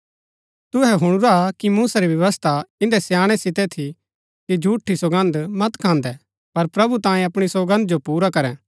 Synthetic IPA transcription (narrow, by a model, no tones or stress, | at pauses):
t̪ʊɦɛɦʊɽ̃ʊɾakimuːsaɾiʋjɐʋəst̪ʰaɪ̃nd̪ɛsjaːɽ̃ɛsɪt̪ɛt̪ʰi | kid͡ʒʱuːʈʰːisoɡə̃nd̪mɐt̪kʰãːnd̪ɛ | pɐɾpɾɐbut̪ãːjẽɐpɽ̃isoɡə̃nd̪̚d͡ʒopuːɾakɐɾɛ̃